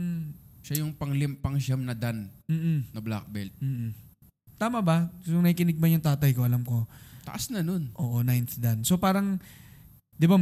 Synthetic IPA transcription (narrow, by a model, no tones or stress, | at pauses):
ʃajʊŋpɐŋlɪmpɐŋʃamnɐd̪anm̩ːʔ̩nɐbla̰k̚bɛlt̪̚m̩ːʔ | t̪aːmɐbɐsʊŋnɐhiːkɪnɪɡ̚bɐjʊŋt̪aːt̪ɐjko̞ʔɐlamko̞t̪ɐ̰ʔasnɐno̞nʔo̞ːʔo̞najnθd̪ɐnso̞paːɾɐŋ | d̪ɪba